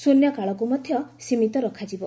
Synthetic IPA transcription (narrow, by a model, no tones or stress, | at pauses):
sunjɔkaɭɔk̬umɔd̪ʱjɔsimit̪ɔɾɔkʰad͡ʒibɔ